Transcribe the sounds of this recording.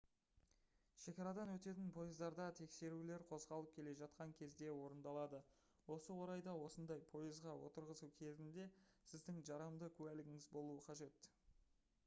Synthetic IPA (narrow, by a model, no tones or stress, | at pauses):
ʃe̞kʲɑɾɑd̪ɑnwɵt̪e̞t̪ɪnpʰo̞jɪzd̪ɑɾd̪ɑt̪ʰe̞kse̞ɾule̞ɾqʰo̞zʁɑlˠəp̚kʲʰe̞le̞ʒɑt̪̚qɑŋkʲʰe̞zd̪e̞wo̞ɾənd̪ɑlˠɑd̪ə | wo̞səwo̞ɾɑjd̪ɑwo̞sənd̪ɑjpʰo̞jəzʁɑwo̰t̪əɾʁəsukʲʰe̞zɪnd̪e̞sɪzd̪ɪŋʒɑɾɑmd̪əkʲʰʉælɪɡʲɪŋɪzbo̞lˠuəqʰɑʒe̞t̪